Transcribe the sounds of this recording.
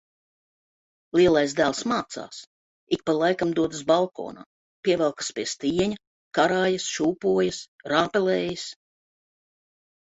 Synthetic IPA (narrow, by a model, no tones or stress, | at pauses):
lˠiɛlˠajzd̪æːlˠsmaːt̪sa̰ːs | ik̚palˠajkamd̪uɔd̪ɨs̬balˠko̰ːna̰ː | pʲiɛvɛlˠkḁspʲiɛst̪iːɛɲɐ | kaɾaːjɐsʃuːpuɔjasɾaːpɛlɛːjas